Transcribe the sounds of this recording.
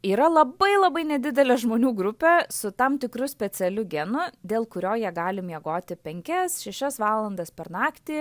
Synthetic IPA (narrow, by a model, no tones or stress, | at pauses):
iːɾɐlˠɐbɐɪlˠɐbɐɪnʲɛd̪ʲɪd̪ʲɛlʲɛʒmoːnʲuːɡɾʊpʲɛsʊt̪ɐmt̪ʲɪkɾʊsʲpʲɛsʲɛlʲʊɡʲɛnʊd̪ʲeːlˠkʊɾʲoːjiɛɡɑːlʲɪmjɛɡoːt̪ʲɪpʲɛŋʲkʲɛsʃʲɛʃʲɛsʋɑːlˠɐnd̪ɐspʲɛɾnɑːkt̪ʲiː